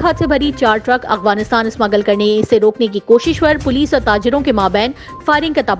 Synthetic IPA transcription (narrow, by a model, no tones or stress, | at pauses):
aːt̪sebʱɐɾit͡ʃaːɾʈɾɐkɐ̰xʋaːnɪst̪aːnɪsmɐɡəlkɐɾnesːeɾoːknek̬ikoːʃɪʃpɐɾpʊliːsɔːɾt̪aːd͡ʒɪɾõkemaːbɛːn | faːɪɾɪ̃ŋkat̪aːb